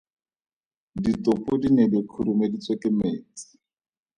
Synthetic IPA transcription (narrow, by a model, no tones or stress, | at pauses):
ditopʊdinedɪkʰuɾumedit͡sʼwekɪmeːt͡si̥